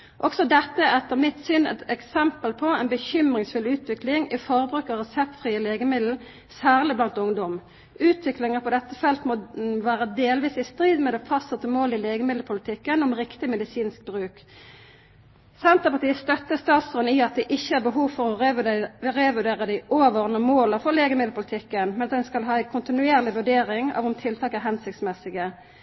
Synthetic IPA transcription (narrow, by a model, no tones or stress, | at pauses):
ʔɔksɔd̪ɛt̪ːəɛt̪ːəʁmɪt̪sʏnɛ̰t̪ɛksɛmpəlpʰɔɛɪnbəçʏmʁɪŋsfʉlʉːt̪ʋɪklɪŋɪfɔʁbʁʉːkːɑʁɛsɛp̚t̪fʁiːəleːɡəmɪd̪l̩ | sæːʁlɪblɑnt̪ʊŋd̪ɔm | ʉːt̪ʰʋɪklɪŋəpʰɔd̪ɛt̪ːəfɛlt̪mɔʋæːʁəd̪eːlʋiːsɪst̪ʁiːd̪mɛd̪ɛfɑst̪ət̪əmoːlɪleːɡəmɪd̪l̩pʰʊlɪt̪ʰɪkːənɔmʁɪkt̪ɪmɛd̪ɪsiːnsk̚bʁʉːk | sɛnt̪əpɑt̪ʰiːəst̪œt̪ːəst̪ɑːt̪sʉnɪɑt̪̚d̪ɛʔɪçːəhæbəɦuːʋfɔʁɔ | ʁɛʋʉd̪eːʁəd̪ɪʔoːʋəʁnəmoːləfɔʁleːɡəmɪd̪l̩pʰʊlɪt̪ʰɪkːənmɛnɑtd̪ɛnskɑlɦɑːæɪkʰʊnt̪ɪnʉeːʁlɪʋʉɖeːʁɪŋɑ̰ːʋʊmt̪ʰɪlt̪ʰɑːkæɾɦhɛnsɪkt̪smɛsɪɡə